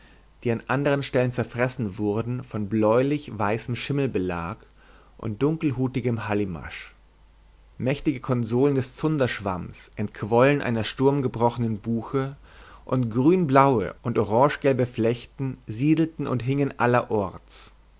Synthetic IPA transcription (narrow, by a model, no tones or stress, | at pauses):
d̥iːanʔandəʁ̞ənʃtɛlənt͡sɛɐfʁ̥ɛsn̩vʊɐdn̩fɔnblɔʏlɪçv̥aɪsəmʃɪml̩bəla̰ːk | ʔʊ̰nt̚d̥ʊŋkl̩ɦuːtɪɡəmhalima̰ʃ | mɛçtɪɡəkʰɔnzoːləndɛst͡sʊndɐʃv̥a̰msʔɛntkʰv̥ɔlənʔa̰ɪnɐʃtʊɐmɡəbʁɔxənənbuːxə | ʔʊntɡ̥ʁyːnblaʊə̰ʔʊntʔoʁɑ̃ːʃɡ̥ɛlbəflɛçtn̩ziːdl̩tn̩ʊ̰ntɦɪŋənʔalɐʔɔɐt͡s